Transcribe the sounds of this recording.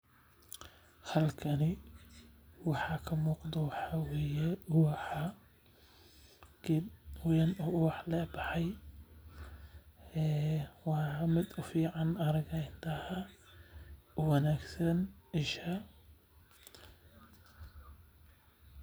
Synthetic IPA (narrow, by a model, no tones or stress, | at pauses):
hɐlkʰɐnɪ | wɑħɑkʰɐmuːqd̪ɐwɑħɑweːjɛwɑħɑ | ɡ̥ɪwjɐnɔːʊwɑħlɛːbɑħɑj | ɛːwɑmɪd̪ʊfiːʕɑnɐɾɐɣɐɪnt̪ʰɐhɐ | ʊwɐnaːɡsɐnɪʃɐ